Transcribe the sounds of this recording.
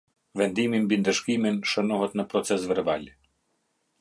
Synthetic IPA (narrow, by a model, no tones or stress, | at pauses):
vɛnd̪imimbind̪əʃkiminʃənɔɦət̪nəpɾɔt̪sɛs̬vɛɾbalʲ